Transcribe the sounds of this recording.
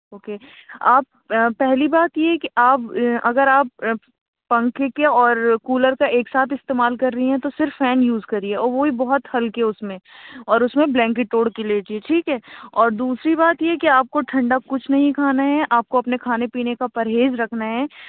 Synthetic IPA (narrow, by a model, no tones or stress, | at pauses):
oːkeːaːp | pːɛɦlibaːt̪jeɦkiʔaːpɐɡəɾaːp̚ | pɐ̃ŋkekeɔːɾkuːləɾkaeːksaːt̪ɪst̪eːmaːlkɐɾːɐɦiɦɛ̃t̪osɪɾfːɛːnjuːzkɐɾiɛɔːɾʋoɦibɔɦɔt̪hɐlkeʊsmẽɔːɾʊsmẽblɛ̃ːŋkɪʈːoːɽkileːd͡ʒieʈʰiːkɦɛːɔːɾd̪uːsɾibaːt̪jeɦɛkiaːp̚koʈʰɐ̃ɳɖap̚kʊt͡ʃʰnɐɦĩkʰaːnaɦɛʔaːp̚koɐpnekʰaːnepiːnekapɐɾɦeːzɾɐkʰnaɦɛː